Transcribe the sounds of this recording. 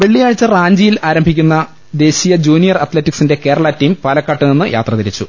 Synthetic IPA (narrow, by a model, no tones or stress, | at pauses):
ʋe̞ɭːijaːɻit͡ɕːɐraːɲd͡ʑijilaːɾɐmbʱikʲːunːɐ | d̪e̞ːɕijɐd͡ʑuːnijɐrɐt̪letːiksinde̞ke̞ːɾɐɭɐtːijmpɐlɐkːɐʈːɨninːɨjʔa̰ːt̪rɐt̪iɾit͡ɕːu